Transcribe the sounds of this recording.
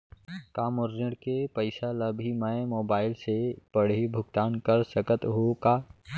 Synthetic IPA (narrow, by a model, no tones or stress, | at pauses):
kaːmʊɾːəɽkepəɪsaləbʱimə̃moːbaːɪlsepəɽ̤ibʱʊɡt̪aːnkəɾsəkət̪ɦokaː